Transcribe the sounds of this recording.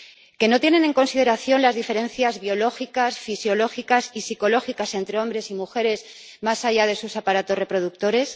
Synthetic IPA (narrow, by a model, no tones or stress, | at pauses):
ke̞no̞t̪je̞ne̞ne̞ŋko̞nsiðe̞ɾaθjo̞nlazðife̞ɾe̞nθjazβjo̞lo̞xikasfisjo̞lo̞xikasisiko̞lo̞xikase̞nt̪ɾe̞o̞mbɾe̞simuxe̞ɾe̞z | masaʝað̞e̞susapaɾat̪o̞sre̞pɾo̞ðuk̚t̪o̞ɾe̞s